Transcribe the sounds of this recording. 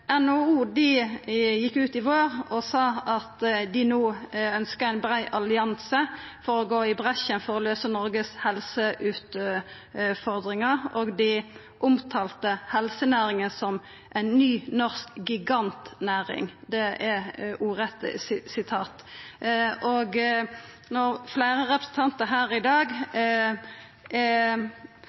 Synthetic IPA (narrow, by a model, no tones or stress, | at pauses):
ɛnouːd̪ɪjɪkːʉːt̪ɪʋoːʁɔsɑːɑt̪d̪ɪnuːœnskəæɪnbɾæɪʔɑlɪɑnsəfɔɾɔɡoːɪbʁɛʃənfɔɾɔløːsənɔɾɡəshɛlsəʔʉːt̪ | fɔʁd̪ʁɪŋɑʁoːɡd̪ɪ | ʔʊmt̪ʰɑːlt̪əhɛlsənæːɾɪŋənsɔm | ʔæɪnnyːnɔʁskɡɪɡɑnt̪næːʁɪ̰ŋd̪ɛɛuːʁɛt̪ssɪt̪ʰɑːt̪ | ʔoɡ | nɔfleɪʁəʁɛpɾəsənt̪ʰɑnt̪əɦæːʁɪd̪ɑːɡ